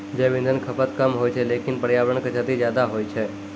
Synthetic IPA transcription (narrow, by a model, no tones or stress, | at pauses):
d͡ʒeʋɪ̃nd̪ʱənkʰəpət̪kamɦojt͡ʃʰelekinpəɾjaʋəɾəɳkət͡ʃʰat̪id͡ʒjad̪aɦojt͡ʃʰe